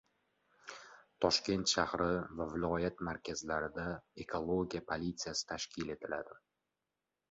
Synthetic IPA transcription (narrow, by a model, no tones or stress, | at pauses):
t̪ʰɒʃkʲe̞nt̪ʃahɾɪvavɪlˠɒjat̪maɾkʲʰazlaɾɪd̪aekʰolˠoɡʲijapʰolʲit̪sijasɪ̥t̪ʰaʃkʲʰɪle̞t̪ʰɪla̰d̪ɪ